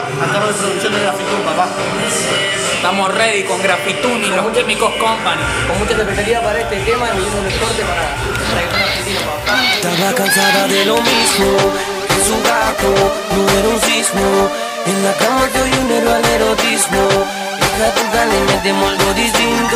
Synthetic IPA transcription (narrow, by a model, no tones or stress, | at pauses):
and̪aɾoðepɾoðukθjond̪eɣɾafit̪ulpaβaso | t̪amosreðikoŋɡɾafit̪unilomũt͡ʃepikohkompaŋ | kommũt͡ʃasepeθaliðapaɾaest̪et̪emaniβimolepoɾt̪epaɾa | paɾakesanaɾfisinopaat̪aβakansaðaðelomizmo | esuɡat̪o | nũŋeɾunsizmo | eŋɡakamolt̪oʝuneɾoaleɾot̪izmo | elat̪ent̪alement̪emold̪oðist̪int̪o